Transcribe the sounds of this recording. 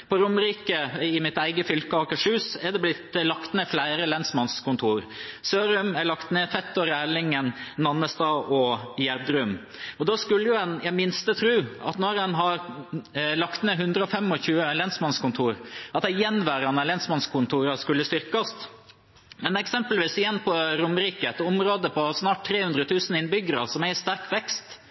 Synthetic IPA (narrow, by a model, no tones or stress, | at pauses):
pɔɾʊməɾiːkəɪmɪt̪æɪɡəfʏlkəɑːkəʂʉːsɛɖɛblɪt̪lɑkt̪neːflæɪɾəlɛnsmɑnskʊnt̪ʰuːɾ | søːɾʉmæɭɑkt̪neːfɛt̪ːɔɾæːɭɪŋənnɑnːəst̪ɑːʔɔjæɾd̪ɾʉm | ɔd̪ɑːskʉlːəjʊɛnjæɪmɪnst̪ət̪ʰɾʉːɑ̰t̪nɔɾɛnɦɑɾ | lɑkt̪neːɦʉnd̪ɾəɔfɛmɔçʉːəlɛnsmɑnskʊnt̪ʰuːɾɑt̪hɛjɛnːʋæːɾɑnɑlɛnsmɑnskʰʊnt̪ʰuːɾɑskʉlːəst̪ʏɾkɑst̪ | mɛnɛksɛmpəlʋiːsɪjɛnːpʰɔɾʊməɾiːkəɛt̪ɔmɾoːd̪əpʰɔsnɑːʈ̚t̪ʰːɾeːhʉnd̪ɾət̪ʰʉːsən̩ɪnbʏɡəɾɑsɔmæst̪æɾkʋɛkst̪